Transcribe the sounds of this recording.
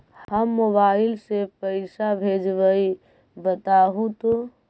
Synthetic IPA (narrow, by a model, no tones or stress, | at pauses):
həmːobaɪlsepəɪsabʱed͡ʒbəi | bət̪aɦũt̪o